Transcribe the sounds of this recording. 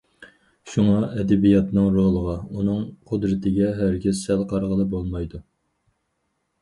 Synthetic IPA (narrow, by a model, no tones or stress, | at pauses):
ʃuŋɑʔɛd̪ɛbijɑt̪nɨŋɾoʁlˠəʁɑunɨŋqʰʊd̪ɾɪt̪ʰɪɡʲɛɦæɾɡʲɪzsælˠqʰɑɾʁəlˠɨbolˠmɑjd̪u